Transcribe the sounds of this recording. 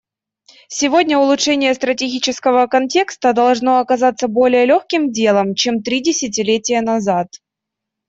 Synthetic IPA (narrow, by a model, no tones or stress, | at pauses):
sʲɪvo̞dʲnʲəʊlˠʊtt͡ʂʂɛnʲɪjəst̪ɾətʲɪɡʲit͡ɕɪskəvəkɐnʲtʲe̞kst̪əd̪ɐlˠʐno̞ɐkɐzat̪sːəbo̞lʲɪjəlʲoxkʲɪmdʲe̞lˠəmt͡ɕemt̪ɾʲidʲɪsʲɪt̬ʲɪlʲetʲɪjənɐzat̪